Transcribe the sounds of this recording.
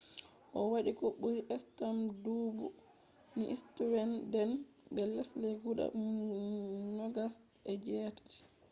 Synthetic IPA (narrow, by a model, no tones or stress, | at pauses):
ʔɔwaɗikɔɓuɾiʔɛstamdubu | niʔistuwɛndɛn | bɛlɛsleɡuɗa̰ | nɔɡas | ɛd͡ʒɛtḁ